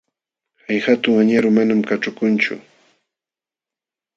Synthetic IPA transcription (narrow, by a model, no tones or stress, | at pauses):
hajhat̪ʊŋaɲaɾʊmanamkaʈ͡ʂʊkʊnt͡ʃʊ̰